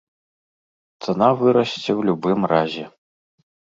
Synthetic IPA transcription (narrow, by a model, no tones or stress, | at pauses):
t̪sɐnavɨɾɐsʲt͡sʲɛwlʲubɨmrazʲɛ